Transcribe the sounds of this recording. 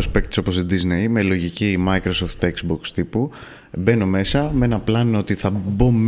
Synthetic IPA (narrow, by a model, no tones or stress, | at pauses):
ospek̚t̪iso̞po̞sid̪iznejme̞lo̞ʝicimɐikɾo̞soft̪ːeksbokst̪ipu | be̞no̞me̞sɐmee̞nɐplɐnoo̞t̪iθɐbo̞m